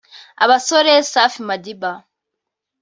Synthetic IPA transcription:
aβasoɾesafimadiba

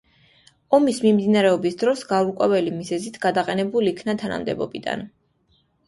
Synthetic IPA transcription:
ɔmismimd̪inaɾɛɔbisd̪ɾɔsɡaɾukʼɛvɛlimizɛzit̪ʰɡ̥ad̪aqʼɛnɛbuliːkʰnat̪ʰana̰md̪ɛ̰bɔ̰bid̪a̰n

